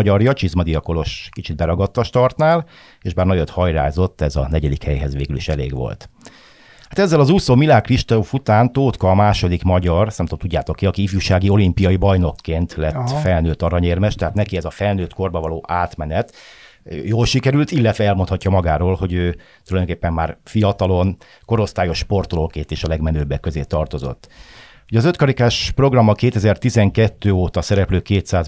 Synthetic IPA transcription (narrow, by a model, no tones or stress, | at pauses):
ɟɒrjɒt͡ʃizmɒd̪ijɒko̞lo̞ʃkit͡ʃid̪̚bɛɾɒɡɒt̪ːɒʃt̪ɒrt̪naːl | eːʒbaːrnɒjot̪hɒjɾa̰ːzo̞t̪ːɛzɒ̰nɛɟɛd̪ikhɛjɦɛzʋeːɡyliʃɛlḛːɡʋo̰lt̪ | hat̪ɛzːɛlɒzuːsoːmilaːkriʃt̪ofut̪aːnt̪oːt̪kɒːmaːʃo̞d̪ikmɒɟɒrsnɛmt̪omt̪uɟːaːt̪o̞kːiɒkiifjuʃaːɡio̞limpijɒibɒjno̞kːeːnt̪lɛt̪ːfɛlnøːt̪ɒɾɒɲeːrmɛʃt̪ɛɦaːt̪nɛkiɛzɒfɛlnøːt̪ko̞rbɒvɒloːʔaːt̪mɛnɛt̪ | joːlʃikɛɾylt̪ilːɛt̪ʋɛɛlmont̪hɒcːɒmɒɡaːɾoːlho̞ɟøːt̪ulɒjd̪oŋkeːpːɛmːaːrfijɒt̪ɒlo̞n | ko̞ɾo̞st̪aːjo̞ʃpo̞rt̪olo̞kːeːnt̪eːʃɒlɛɡmɛnøːbːɛkːøzeːt̪ɒrt̪ozo̰t̪ː | uɟɒzøt̪kɒɾikaːʃpro̞ɡrɒmːɒkeːt̪ɛzɛrt̪izɛŋkɛt̪ːøːoːt̪ɒsɛɾɛpløːkeːt̪saːz